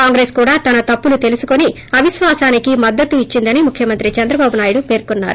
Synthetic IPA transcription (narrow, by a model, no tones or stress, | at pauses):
kaːŋɡɾeːskuːɽaːt̪ɐnɐt̪ɐpːulut̪elusuko̞ni | ɐʋiʃʋaːsaːnikimɐd̪ːɐt̪uit͡ʃːind̪ɐnimukʰjɐmɐnt̪ɾit͡ʃɐnd̪ɾɐbaːbunaːjuɽupe̞ːɾkunːa̰ːɾu